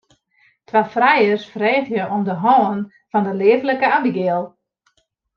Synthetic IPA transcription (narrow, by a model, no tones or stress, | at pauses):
tʰʋafrɛjərsfrɛːtjəʔomdəɦɔːən | fɔndəleːvləkəamiɡeəlˠ